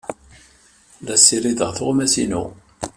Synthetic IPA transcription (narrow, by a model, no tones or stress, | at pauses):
ðæsːiɾiðəʁθʁmæsinṵ